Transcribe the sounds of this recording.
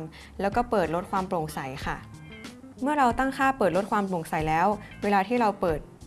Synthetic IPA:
m | lɛː˦˥wkɔː˥˩pɤː˨˩t̪̚ɾo˦˥t̪̚kʰwaː˧mpɾo˨˩ŋsa˨˩˦jkʰa˥˩ | mɯ˥˩ɐɾa˧wt̪a˥˩ŋkʰaː˥˩pɤː˨˩t̪̚ɾo˦˥kʰwaː˧mplo˨˩ŋsa˨˦jlɛː˦˥wweː˧laː˧t̪ʰiː˥˩ɾa˧wpɤː˨˩t̪̚

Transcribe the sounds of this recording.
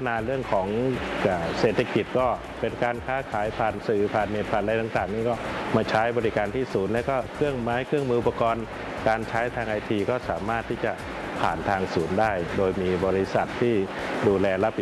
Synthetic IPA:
naː˧ɾɯ˥˩əŋkʰɔː˩˦ŋkaː˨˩seː˨˩t̪ʰːa˧˩ki˨˩t̪̚kɔː˥˩ | pe˧nkaː˧nkʰaː˦˥˩kʰaː˨˩˦jpʰaː˨˩nsɯː˨˩pʰaː˨˩nmeː˨˩t̪̚pʰaː˨˩nʔa˧jt̪aː˨˩ŋt̪aː˨˩ŋniː˥˩kɔː˥˩maː˧˩t͡ɕʰa˦˥jbɔː˧ɾi˦˥kaː˧nt̪ʰiː˥˩suː˩˦nlɛ˦˥wkɔː˥˩kʰɯ˥˩əŋmaː˦˥jkʰɾɯ˥˩əŋmɯː˧ʔu˨˩pːa˧kɔː˧n | kaː˧nt͡ɕʰa˦˥jt̪ʰaː˧ŋʔa˧jt̪ʰiː˧kɔː˥˩saː˩˦maː˥˩t̪ʰːiː˥˩t͡ɕa˨˩ | pʰaː˨˩nt̪ʰaː˧ŋsuː˩˦ndaː˥˩jdoː˧jmiː˧bɔː˧ɾi˦˥sa˨˩t̪ʰːiː˥˩duː˧lɛː˧la˦˥p̚ʔi˨˩

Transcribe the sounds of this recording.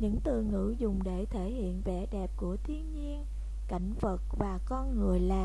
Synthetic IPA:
ɲɨ̰˧˥ŋt̪ɨ˨˩ŋɨ̰˧˥zʊ˨˩ŋ͡mɗe˧˩t̪ʰe˧˩hḭ˧˨ənvɛ˧˩ɗɛ˨˩p̚ku˧˩ət̪ʰi˧ənɲi˧ən | ka̰˧˩jŋ̟və˨˩t̚vaː˨˩kɔ˧nŋɨ˨˩əjlaː˨˩

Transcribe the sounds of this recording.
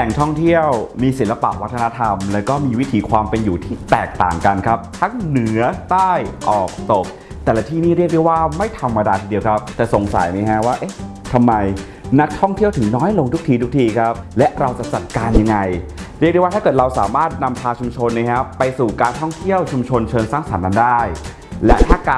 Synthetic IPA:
lɛ˨˩ŋt̪ʰɔ˥˩ŋt̪ʰi˥˩əwmiː˧si˩˦nla˧pa̰˨˩ʔwa˦˥t̪ʰːna˦˥t̪ʰa˧mlɛː˦˥wkɔː˥˩miː˧wi˦˥t̪ʰiː˨˩˦kʰwaː˧mpe˧njuː˨˩t̪ʰiː˥˩t̪ɛː˨˩k̚t̪a̰ː˨˩ŋka˧nkʰa˦˥p̚t̪ʰa˦˥ŋnɯ˩˦˩ɐt̪aː˥˩jʔɔː˨˩k̚t̪o˨˩k̚ | t̪ɛː˨˩la˧t̪ʰiː˥˩niː˥˩ɾi˥˩k̚du˥˩jwaː˥˩ma˥˩jt̪ʰa˧mːa˧daː˧t̪ʰiː˧di˧əwkʰa˦˥p̚t̪ɛː˨˩so˨˩˦ŋsa̰˨˩˦jma˦˧˥ɦʰa˦˥waː˥˩ʔe˦˥˩ | t̪ʰa˧mːa˧j | na˦˥k̚t̪ʰɔ˥˩ŋt̪ʰi˥˩ət̪ʰɯ˩˦ŋnɔː˦˥jlo˧ŋt̪ʰu˦˥kt̪ʰiː˧t̪ʰu˦˥k̚t̪ʰiː˧kʰɾa˦˥p̚lɛ˦˥ʔɾa˧wt͡ɕa˨˩t͡ɕa˨˩t̪̚kaː˧nja˧ŋːa˧jɾi˥˩k̚dwa˥tʰaː˥˩kɤː˨˩t̪̚ɾa˧wsaː˩˦maː˥˩t̪̚na˧mpʰaː˧t͡ɕʰu˧mt͡ɕʰo˧nːi˧˦˥kʰa˦˥pa˧jsuː˨˩kaː˧nt̪ʰɔ˥˩ŋt̪ʰi˥˩əwt͡ɕʰu˧mt͡ɕʰo˧nt͡ɕʰɤː˧nsaː˥˩ŋsa˩˦nːa˧˥ndaː˥˩j | lɛ˦˥t̪ʰaː˥˩kaː˧

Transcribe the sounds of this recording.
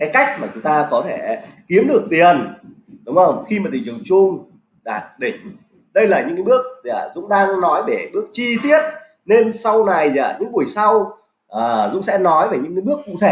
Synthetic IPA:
kaː˨˦jka˦˥jk̟̚maː˨˩t͡ɕʊ˨˦ŋ͡mt̪aː˧kɔ˨˦t̪ʰe˧˩ki˨˦əmɗɨ˨˩ək̚t̪i˨˩ən | ɗʊ˨˦wŋ͡mzə˧˩wŋ͡mxi˧maː˨˩t̪ʰï˨˩ŋ̟zə˨˩wt͡ɕʊ˧ŋ͡m | ɗaː˨˩t̚ɗḭ̈˧˩ŋ̟ | ɗə˧jlaː˨˩ɲɨ̰˧˥ŋkaː˨˧˦ɓɨ˦˥ək̚za̰ː˧˩zʊ̰˧˥ŋ͡mɗaː˧ŋnɔ˨˦jɗe˧˩ɓɨ˦˥ək̚t͡ɕi˧t̪i˦˥ət̚ | ne˧nsa˧wna˨˩jza̰ː˧˨˩ɲɨ̰˧˥ŋɓu˨˩əjsa˧w | ʔəː˨˩zʊ̰˧˥ŋ͡msɛ̰˧˥nɔ˨˦jve˨˩ɲɨ̰˧˥ŋkːaː˨˦ɓɨ˦˥əkːʊ̰˧˥ŋ͡mt̪ʰe˧˩

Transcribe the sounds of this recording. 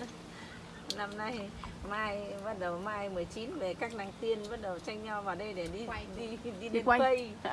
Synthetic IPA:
na˧mna˧jmaː˧jvə˦˥t̚ɗə˨˩maː˧jmɨ˨˩əjt͡ɕi˨˦nve˨˩kaː˦˥k̚na˧˩ŋt̪i˧ənvə˦˥t̚ɗə˨˩t͡ɕa˧jŋ̟ɲa˧wvaː˨˩wɗə˧jɗe˧˩ɗi˧ɗi˧ɗi˧ɗe˧n˧wə˧j

